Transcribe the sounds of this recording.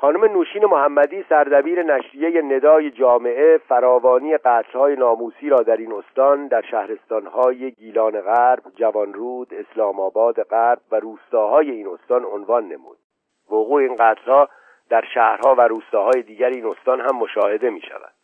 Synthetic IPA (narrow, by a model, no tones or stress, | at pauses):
xɒːnome̞nuːʃiːne̞mohæmːæd̪iːsæɾd̪æbiːɾe̞næʃɾijejene̞d̪ɒːje̞d͡ʒɒːme̞ʔe̞fæɾɒːvɒːniːe̞ɢæːt̪ʰlhɒːje̞nɒːmuːsiːɾɒːd̪æɾino̞st̪ɒːnd̪æɾʃæhɾe̞st̪ɒnhɒːjeɡiːlɒːneɣæɾbd͡ʒævɒnɾuːd̪̥e̞slɒːmɒːbɒːd̪eɣæɾb̥̚væɾuːst̪ɒːɦɒːje̞iːno̞st̪ɒːnonvɒnːe̞mṵːd̪̥̚ | voɣuːeinɡæːt̪ʰlhɒː | d̪̥æɾʃæːhɾhɒːvæɾuːst̪ɒːhɒːje̞d̪iːɟæɾiiːno̞st̪ɒːnɦæmːoʃɒːhe̞d̪e̞mḭːʃæ̰væ̰d̪̥